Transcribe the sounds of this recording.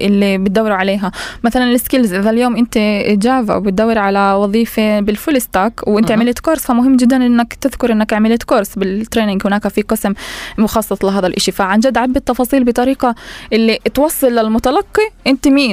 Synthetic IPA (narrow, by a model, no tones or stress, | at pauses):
ʔɪlːibɪt̪̚d̪awːɪɾuʕaleːɦamaθalanlɪskɪlzʔɪðaljoːmʔɪnt̪id͡ʒaːva̰wbɪt̪̚d̪awːɪɾʕalawɑðˤiːfebɪlfʊlɪst̪aːkwʔɪnt̪ɪʕmɪleːt̪koːɾˤsfamʊɦɪmːd͡ʒɪd̪ːanʔɪnːakt̪ɪðkʊɾˤʔɪnːakʕmɪlet̪koːɾsbɪt̪ːɾeːnɪŋɡhɪnaːkafiqɨsammʊxɑːsˤːɑt̪ˤlɪɦaːðalʔɪʃifaʕand͡ʒad̪ːʕabːɪt̪ːɑfɑːsˤiːlbɪt̪ˤɑɾiːqɑʔɪlːit̪wɑsˤːɨlːɪlmʊt̪alɑqːiʔɪnt̪imiː